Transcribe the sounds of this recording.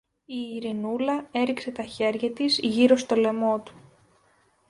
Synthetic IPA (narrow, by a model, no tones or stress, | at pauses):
iːɾinulɐe̞ɾikse̞t̪ɐçe̞ɾʝɐt̪izʝiɾo̞st̪o̞le̞mo̞t̪u̥